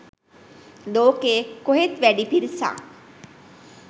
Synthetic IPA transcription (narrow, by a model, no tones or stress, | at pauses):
loːkeːkoɦet̪ʋæɖipiɾisa̰ːŋ